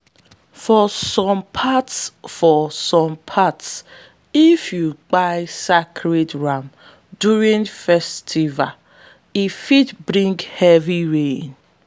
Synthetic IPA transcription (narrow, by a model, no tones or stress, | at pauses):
fɔsɔ̃mpʰatsfɔsɔ̃mpʰats | ifjuk͡paɪsakʰɾedɹam | duɹĩŋfɛstʰiva | ifidbɾĩŋɡhɛviɹẽn